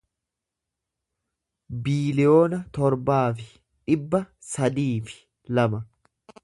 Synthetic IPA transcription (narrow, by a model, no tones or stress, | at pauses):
biːlɪjo̞ːnɐt̪ɔɾbaːfɪ | ᶑɪbːɐsɐd̪iːfɪ̥ | lɐmɐ